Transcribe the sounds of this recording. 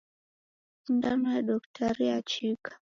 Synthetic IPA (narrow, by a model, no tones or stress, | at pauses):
undanɔjaɗɔktʰaɾiat͡ʃikḁ